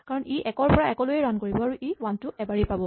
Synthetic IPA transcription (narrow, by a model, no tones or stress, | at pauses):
kaɹɔniʔɛkɔɹpɔɹaɛkɔlojɛɹankoɹibɔaɹuʔiwantʊɛbaɹipabɔ